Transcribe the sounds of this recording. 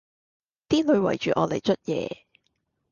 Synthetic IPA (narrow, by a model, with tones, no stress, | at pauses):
t̪iː˥lɵ˨˧ɥwɐ̰˨˩jt͡ʃyː˨ʔɔː˨˧le˨˩jt͡ʃʰɵ˥t̚jɛ̰ː˨˧